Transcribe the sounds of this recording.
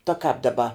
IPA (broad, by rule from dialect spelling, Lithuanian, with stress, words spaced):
tɐ kɑːp dɐˈbɐ